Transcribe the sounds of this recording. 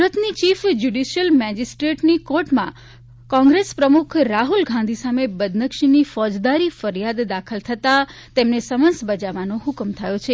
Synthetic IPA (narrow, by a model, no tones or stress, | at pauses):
sɾət̪nit͡ʃifd͡ʒuɖiʃjəlmɛd͡ʒisʈɾeʈnikoɾʈmã̰ | kɔ̃ŋɡɾespɾəmukʰɾaɦulɡʱãnd̪ʱisamebəd̪nəkʃinifɔd͡ʒd̪aɾifəɾijad̪d̪akʰəlt̪ʰət̪at̪emnesəmənsbəd͡ʒaʋanoɦʊkmt̪ʰəjot͡ʃʰe